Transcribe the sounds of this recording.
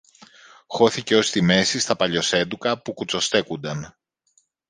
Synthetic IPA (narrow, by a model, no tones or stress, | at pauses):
xo̞θice̞o̞st̪ime̞sist̪ɐpɐʎo̞se̞d̪ukɐpukut͡so̞st̪e̞kund̪ɐm